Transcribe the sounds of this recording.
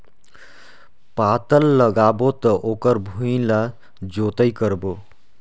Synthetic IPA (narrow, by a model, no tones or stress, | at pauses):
pat̪ʌlːʌɡabot̪ʌʔokʌɾbʱuĩla | d͡ʒot̪ʌjkʌɾbo